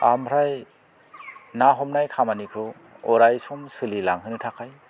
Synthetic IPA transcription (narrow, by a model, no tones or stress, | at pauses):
amʰɾaj | naɦɔmnajkʰamanikʰɯ | ɔɾajsɔmsɯlilaŋɦɯnɯtʰakʰaj